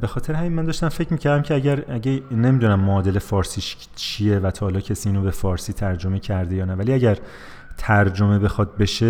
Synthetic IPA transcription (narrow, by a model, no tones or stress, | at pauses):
bexɒːt̪ʰe̞ɾehæminmænd̪ɒːʃt̪æmfe̞cʰmiːcʰæɾd̪æmcʰeæɟæɾæɟenemid̪unæmːoːd̪e̞lefɒːɾsiːʃ | t͡ʃʰijevæt̪ʰɒːlɒːcʰesiːinobe̞fɒːɾsiːt̪ʰæɾd͡ʒome̞cʰæɾd̪e̞jɒːnævæliæɟæɾ | t̪ʰæɾd͡ʒome̞be̞xɒd̪̚be̞ʃe